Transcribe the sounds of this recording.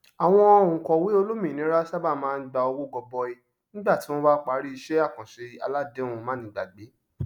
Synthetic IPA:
a˨w̃ɔ̃˧ɔ˧˦˨ũ˨kɔ̃˨wi˦o˧lo˦mĩ˨nĩ˨˦ɾa˦sa˦ba˦˨mãː˦˧n̩˦ɡ͡ba˧o˧ɡo˦˨ɡɔ˧bɔ˧i˧ | nĩ˦ɡ͡ba˦˨ti˨˦w̃ɔ̃˦ba˦k͡pa˨˦ɾi˦i˧ʃe˦a˦˨kã˨ʃe˧a̰˧la˦de˦ũ˧˨mãː˨˦nĩ˨˦ɡ͡ba̰˨ɡ͡be˨˦

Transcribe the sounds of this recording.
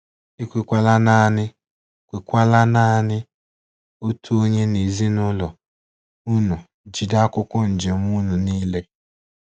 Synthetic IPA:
i˦kʷi˨kʷa˦la˦na˦˨nɪ˦ | kʷi˨kʷa˦la˦na˦˨˦nɪ˦ | o˦tʰu˦o˦ɲe˦ni˨zi˦nʊ˦lɔ˨ | u˦nu˨ | d͡ʒi˨da˦kʷʊ˦kʷɔ˦n̩˨d͡ʒe˨m˦u˦nu˨niː˦le˦

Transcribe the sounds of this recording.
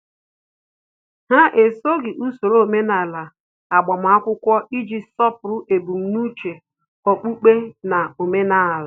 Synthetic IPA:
ɦa˦ʔe˨so˦ɡɪ˨ʔu˦so˨ɾo˦o˨me˦na˨la˨ | a˨ɡ͡bɔ˨m̩˨˦a˦kʷʊ˦kʷɔ˦ʔi˦d͡ʒi˨sɔ˦pʊ˨ɾʊ˦ʔe˨bu˨m̩˦nu˦t͡ʃe˨ | ɔ˨k͡pu˦k͡pe˦na˨o˨me˦na˨la˨

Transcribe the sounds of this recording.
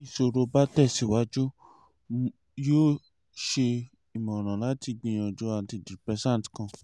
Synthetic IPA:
i˧˨so˧ɾo˧ba˦tɛ˦˨si˨wa˦d͡ʒo˦ | joː˦ | ʃe˧ | i˨mɔ̃˨ɾ̃ã˨la˨˦ti˧ɡ͡bĩ˧j̃ã˨d͡ʒo˧˦a˧˨ti˧˨di˨pɛ˧˦sã˦˨ti̥˨kã˧˨

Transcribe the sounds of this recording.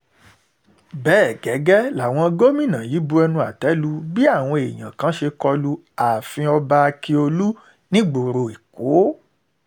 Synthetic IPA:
bɛː˦˨ɡɛ˨˦ɡɛ˦la˨w̃ɔ̃˧ɡo˦mĩ˦˨nã˨ji˨˦bu˧ɛ˧nũ˧a˨tɛ˨˦lu˦bi˦a˦˨w̃ɔ̃˧e˨j̃ã˨kã˨˦ʃe˧kɔ˧lu˧˦ | a˨fĩ˧ɔ˧ba˧a˧ki˧o˧lu˦ | nĩ˦ɡ͡bo˨ɾo˧˨i˨ko˨˦

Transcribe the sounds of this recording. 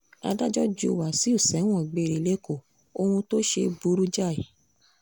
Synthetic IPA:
a̰˧da˦d͡ʒɔ˦d͡ʒu˧˦˨wa˨si˦u˦˨sɛ˨˦w̃ɔ̃˦˨ɡ͡be˧ɾi˨le˦ko˦˨ | o˧hũ˧to˦ʃe˧bu˧˦ɾu˦d͡ʒa˦˨i˨

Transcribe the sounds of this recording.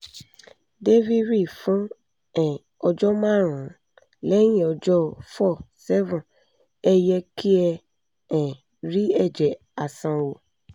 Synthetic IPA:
de˦vi˦ɾi˦˨fũ˨˦ | ɛ̃˨ | ɔ˧d͡ʒɔ˦mãː˦˨ɾ̃ã˨ | lɛ˦j̃ĩ˦˨ɔ˧d͡ʒɔ˦fɔ˦˨sɛ˦vũ˨ | ɛ˧jɛ˧kʰi˦ɛ˧ | ɛ̃˨ | ɾi˦ɛ˦˨d͡ʒɛ˨ | a˨sã˧wo˨

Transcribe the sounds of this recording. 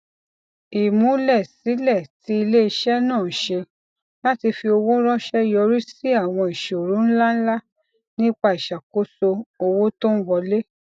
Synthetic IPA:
i˨mũ˨˦lɛ˦˨si˨˦lɛ˦˨ti˨˦i˧le˦i˧ʃɛ˦nãː˦˨ʃe˧ | la˦ti˧fi˧o˧wo˦ɾɔ̃˦ʃɛ˦jɔ˧ɾi˦si˦a˦˨w̃ɔ̃˧i˨ʃo˨ɾũ˨˦n̩˦la˦n̩˦la˦ | nĩ˦k͡pa˧i˨ʃa˨ko˨˦so˧o˧wo˦to˦n̩˦wɔ˧le˦

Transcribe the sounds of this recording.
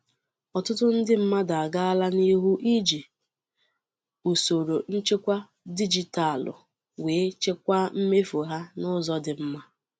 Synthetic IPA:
ɔ˨tʊ˦tʊ˦n̩˦dɪ˦m̩˦ma˦da˨a˨ɡa˦a˦la˦ni˦ɦu˦ʔi˦d͡ʒi˨ | u˨so˨ɾo˨n̩˦t͡ʃe˦kʷa˦ | di˦d͡ʒi˨ta˨lʊ̰˨ | weː˨˦t͡ʃe˦kʷa˦m̩˦me˦fo˨ɦa˦nʊ˦zɔ˦dɪ˨m̩˦ma˦

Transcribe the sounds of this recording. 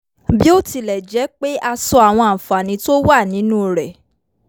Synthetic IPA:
bi˦o˦ti˧lɛ˨d͡ʒɛ˨˦k͡pe˦ʔa˧sɔ˧a˨w̃ɔ̃˧a˨fa˨nĩ˨˦to˦wa˦˨nĩ˨˦nũ˦˨ɾɛ˨

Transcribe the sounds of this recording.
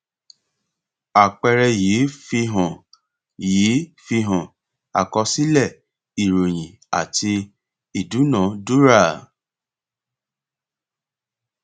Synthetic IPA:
a˨k͡pɛ˧ɾɛ˧jeː˨˦fi˧ɦɔ̃˨ | jeː˨˦fi˧ɦɔ̃˨ | a̰˨kɔ˧si˦lɛ˦˨ | i˨ɾo˨j̃ĩ˨ | a̰˨ti˧ | i˨du˨˦nãː˨˦du˦ɾa˦˨

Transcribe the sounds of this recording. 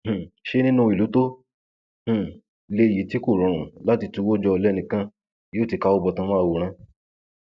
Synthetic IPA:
h̩˨ʃe˧nĩ˦nũ˦˧˦i˨lu˨˦to˦ | h̩˨ | le˧˨ji˨˦ti˦ko˦˨ɾ̃ɔ̃˨ɾ̃ũ˨˦la˦ti˧tũ˧˦wo˦d͡ʒɔ˧lɛ˦˧nĩ˧˨kã˦ | joː˦˨ti˨˧ka˧˦o˧bɔ˧tã˧mã˦˧wo˨ɾ̃ã˧

